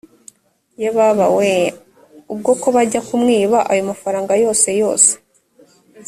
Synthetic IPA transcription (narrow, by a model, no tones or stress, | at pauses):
jeβaβawe | ub̚ɡo̞ko̞βaɟakumŋiːβaʔajo̞mafaɾaːŋɡajo̞ːse̞jo̞ːse̥